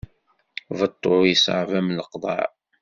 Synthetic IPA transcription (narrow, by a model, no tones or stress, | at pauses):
vət̪ˤːojəsʕvæmləqd̪ˤɑ̰ʕ